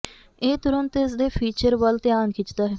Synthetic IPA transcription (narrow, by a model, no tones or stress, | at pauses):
eːt̪ʊɾənt̪ɪsd̪eːpʰiːt͡ʃəɾʋəlt̪ɪjaːnkʰɪt͡ʃd̪aːɦɛː